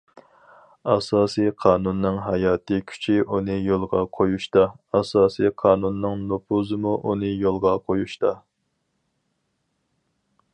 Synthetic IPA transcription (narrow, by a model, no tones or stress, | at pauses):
ɑsɑːsijqʰɑːnunːɨŋɦɑjɑːt̪ɨkʲʰy̥t͡ʃʰiʔunɨjolˠʁɑqʰojuʃt̪ɑɑsɑːsiqʰɑːnunːɨŋnopʰuzɨmuʔunɨjolˠʁɑqʰojuʃt̪ɑ